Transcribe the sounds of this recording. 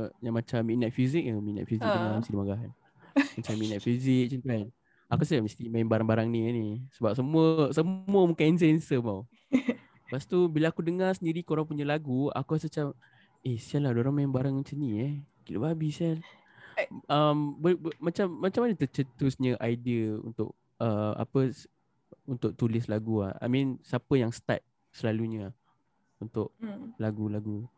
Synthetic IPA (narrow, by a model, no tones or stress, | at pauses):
jaŋmat͡ʃamːinat̪̚fizik̚jəmina̰t̪̚fizik̚dənamist̪idimaɡaɦan | mat͡ʃamːinat̪̚fizik̚t͡ʃənt̪an | akusət͡ʃamist̪imajɛnbaɾaŋbaɾaŋnianisəbap̚səmuəsəmuəmukains̬ɛnsəmaw | past̪ubilaakudəŋarsəndiɾikoɾaŋpuɲəlaɡua̰kuasət͡ʃam | esialahdoɾaŋmanbaɾaŋənt͡ʃəniakilṵbabisal | əmbəbmat͡ʃamːat͡ʃamanət̪ət͡ʃət̪ʊsɲəʔajdiəṵnt̪ʊ̰ʔ̚ | əʔa̰pəs | unt̪ʊk̚t̪ulɪslaɡua̰ha̰mĩnsapəjaŋsə̥t̪a̰t̪̚ | səlaluɲə | unt̪ʊʔlaɡulaɡu